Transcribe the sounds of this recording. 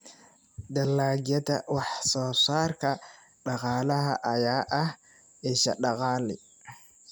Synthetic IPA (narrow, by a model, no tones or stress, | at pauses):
d̪ɐlːaːɡjɐd̪ɐ̰wɑħsɔːsaːrkʰɐ | ɖɑqɑːlɐɦɐ̰ʔɐjaːʔɐh | ɛʃɐ̰ɖɑqɑːlɪ̰